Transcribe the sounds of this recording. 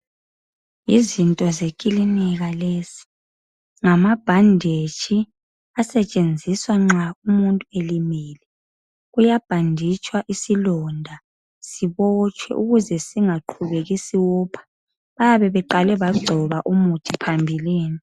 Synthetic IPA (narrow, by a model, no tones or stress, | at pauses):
jizintʼɔzekʼiliniɣaleːsi̥ | ŋamab̥ʱandʱet͡ʃʰʼi | asɛt͡ʃʼend͡zʱiswaŋ͡ǁaumuntʼuelimiːlɛ | ɣujab̥ʱandʱit͡ʃʼwaʔisilɔndʱa | siβɔt͡ʃʼwɛ̰ʔuɣuzɛsiŋaǃʰuβeɣisiwɔpʰḁ | βajaβɛβɛǃalɛβaɡ͡ǀʱɔβaʔumutʰipʰambʱiliːni